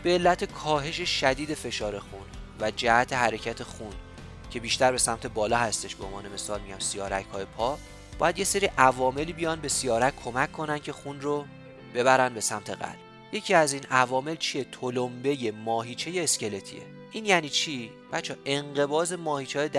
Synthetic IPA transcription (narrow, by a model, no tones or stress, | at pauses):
b̥eːlːæt̪ʰekʰɒːɦe̞ʃe̞ʃæd̪iːd̪e̞fe̞ʃɒːɾe̞xunvæd͡ʒæhæt̪ʰe̞ɦæɾe̞cʰæt̪ʰe̞xun | cʰe̞biːʃt̪æɾbe̞sæmt̪ʰe̞bɒːlɒːhæst̪e̞ʃb̥eonvɒ̰ːne̞me̞sɒːlmiɟæmsijɒːɾæ̰chɒːje̞pʰɒː | b̥ɒ̰ːjæd̪je̞se̞ɾiːʔævɒːme̞liːbijɒnbe̞sijɒːɾæckʰːo̞mæcʰːo̞næn̚cʰe̞xunro | b̥e̞βæɾænbe̞sæmt̪ʰe̞ɣæ̰d̪ | je̞cʰiːæziːnævɒːme̞lt͡ʃʰie̞t̪ʰolombe̞je̞mɒːɦiːt͡ʃʰe̞jeːsce̞le̞t̪ʰḭḛ | ʔiːnjæniːt͡ʃʰi | b̥æt̪t͡ʃʰːɛːʔe̞ŋɢe̞bɒːze̞mɒːhiːt͡ʃʰeːjed̪